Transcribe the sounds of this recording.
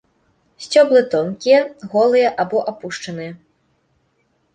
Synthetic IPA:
sʲt͡sʲɔblˠɨt̪ɔnkʲijɐɣɔlˠɨjɐʔabɔʔapuʂt͡ʂɐnɨjɐ

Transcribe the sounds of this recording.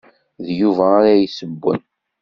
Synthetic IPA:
ðjuvæːɾajsəbːə̰n

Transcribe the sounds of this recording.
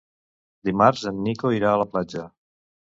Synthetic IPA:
d̪imaɾzənːikoiɾaələplad͡ʒə

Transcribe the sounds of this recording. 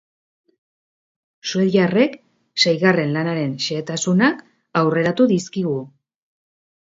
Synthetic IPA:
sueðjare̞k | sejɣare̞nlanaɾe̞nʃeːt̪asunak | awre̞ɾat̪uðiskiɣ̞u

